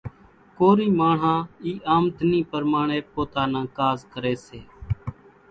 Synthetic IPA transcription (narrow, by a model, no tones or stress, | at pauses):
koːɾiːmaːɳ̤ãːiːʔaːmd̪ʱniːpəɾmaːɳ̃eːpoːt̪aːnãːkaːzkəɾeːseː